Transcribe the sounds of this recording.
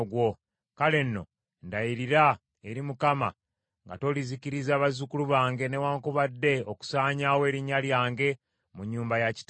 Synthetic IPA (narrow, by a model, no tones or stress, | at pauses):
ɡwo̞ | kale̞nːo̞̰ | ndajiɾiɾa | eɾimukama̰ | ŋɡa̰to̞ːliziciɾizaːβazukuluβaːŋɡe̞ne̞waːŋkuβadːe̞oku̥saːɲaːwe̞ːɾiɲaljaːŋɡe̞ | muɲːuːmbajaci̥t